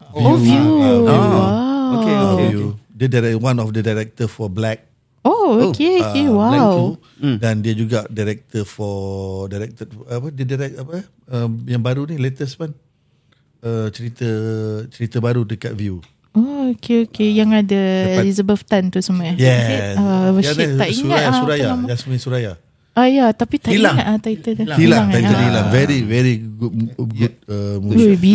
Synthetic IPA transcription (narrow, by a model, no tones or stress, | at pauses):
jovju | aokeudədaɾɛwãnɔfdədajɾɛk̚t̪əfɔblɛk̚ | ookeoewaw | dãndiəd͡ʒuɡadaɾɛk̚t̪əfɔdaɾɛk̚t̪ətapədədaɾɛk̚apə | əjãŋbaɾunĩlet̪əspan | ət͡ʃəɾit̪ət͡ʃəɾit̪əbaɾut̪ukat̚vju | ookeokejaŋadəɛlizəbəlft̪ant̪usəmaajɛsisavəit̪aʔiŋuaajaauɾajaamd͡ʒasmĩsuɾaja | ajat̪apit̪aʔiilaŋat̪at̪ait̪ədasiilaaŋaədilavɛɾivɛɾiɡuɡud̚əmubi